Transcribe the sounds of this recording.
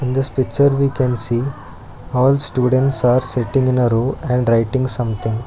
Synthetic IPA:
ɪ̃nd̪əspɪk̚t͡ʃəɾʋiːkɛ̃nsiː | ɔːlsʈjuːɖə̃ɳʈsaːɾsɪʈɪ̃ŋɡɪ̃nɐɾoːɛ̃ɳɖɾaɪʈɪ̃ŋɡsʌ̃mt̪ʰɪ̃ŋɡ

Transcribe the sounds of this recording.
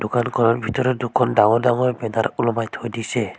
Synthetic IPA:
dʊkankʰɔnɔɹbʱitɔɾɔdukʰːɔndaŋɔɹdaŋɔɹbɛdaɾulɔmajtʰojdisɛ

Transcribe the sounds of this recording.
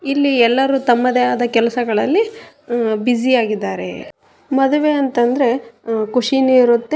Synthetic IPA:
ilːiɛlːɐɾuːt̪ɐmːɐd̪eaːd̪ɐkɛlɐsɐɡɐɭɐlːi | bid͡ʒiaːɡid̪ːaːɾe̞̰ | mɐd̪uʋe̞ɐnt̪ɐnd̪ɾe̞kuʂiniiɾut̪ːe

